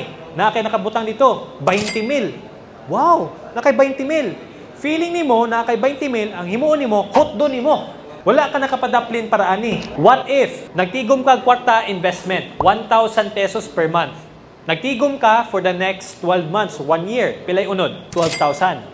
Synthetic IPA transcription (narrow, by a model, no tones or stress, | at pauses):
nɐʔakɐjnɐkɐbʊt̪aŋd̪ɪt̪o̞bɐjnt̪ɪmɪl | waw | nɐkɐjbajnt̪ɪmɪl | fiːlɪŋnɪmo̞nɐʔkɐjbajnt̪ɪmɪlɐŋhɪmuːʔonɪmo̞hʊt̪̚d̪onɪmo | wɐlakɐnɐkɐpɐd̪aplɪnpɐɾɐʔanɪwɐt̪ʔɪfnɐɡ̚t̪iːɡomkɐɐŋkwaɾt̪ɐʔɪnvɛst̪mɛnt̪̚want̪awsɐnd̪̚pɛsospɛɹmanθ | nɐɡ̚t̪iːɡomkɐfɔɹd̪ɐnɛkst̪ːwɛlvmant̪swanjɪɹpɪlajʊnod̪̚t̪wɛlvt̪awsand̪